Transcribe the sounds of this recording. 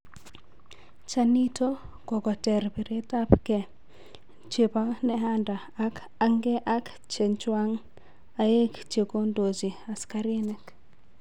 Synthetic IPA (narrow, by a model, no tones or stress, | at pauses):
t͡ʃanitokɔkɔtɛrbiɾetapkɛ | t͡ʃepanɛɦanda | ak | aŋɡeʔak | t͡ʃent͡ʃwaŋ | ajekt͡ʃekondod͡ʒiaskaɾinɛk